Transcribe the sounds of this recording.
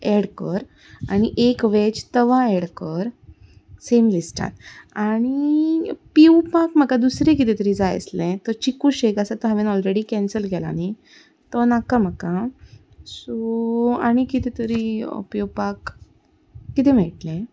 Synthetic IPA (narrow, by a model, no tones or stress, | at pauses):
eɽkəɾ | aɽ̃iʔekʋet͡ɕt̪əʋaeɽkəɾ | semlisʈa̰t̪aɽ̃i | piwpakm̤akad̪usɾẽk̬it̪ɛ̃t̪əɾid͡zajə̰slɛ̃t̪əɾt͡ɕikuɕekasat̪əɦəʋenɔlɾeɽikɛ̃nsəlɡʱɛla̰ñi | t̪ɔnakam̤aka | soaɽ̃ikit̪ɛ̃t̪əɾḭpiwpakː | it̪ɛ̃m̤ɛɭʈlɛ̃